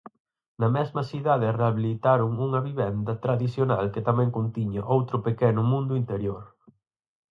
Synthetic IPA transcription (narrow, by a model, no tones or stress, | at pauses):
nɐmɛzmɐsiðaðɪreaβilit̪aɾʊŋuŋɐβiβɛnd̪ɐt̪ɾaðiθjona̰lket̪amɛ̃ŋkont̪iɲaʔowt̪ɾʊpekɛnʊmũnd̪ʊint̪eɾjoɾ